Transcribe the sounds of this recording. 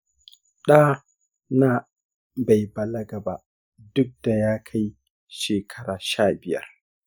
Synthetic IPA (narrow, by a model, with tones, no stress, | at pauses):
ɗaː˦ | naː˦ | ba˨jbɐ˨lɐ˦ɡɐ˨ba̰˨ʔ | dʊ˦k̚d̥a˨jaː˦kʰa˦j | ʃeː˨kʰɐ˦ɽaː˨ʃaː˦bɪ˦jɐ̰˦r